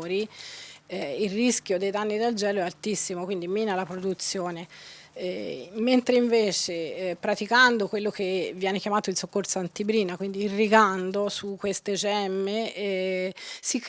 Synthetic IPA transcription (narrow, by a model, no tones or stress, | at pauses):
ɾi | ilrisk̟ʲjod̪ejd̪anːid̪ald͡ʒɛːloɛalt̪isːimokwind̪imiːnalapɾod̪ut̪sːjoːne | ment̪ɾeiɱveːt͡ʃepɾat̪ikand̪okwelːok̟evːjɛːnekjamaːt̪oilsokːoɾsoant̪ibɾiːnakwind̪iːrːiɡand̪osukːwest̪ed͡ʒɛmːe | sik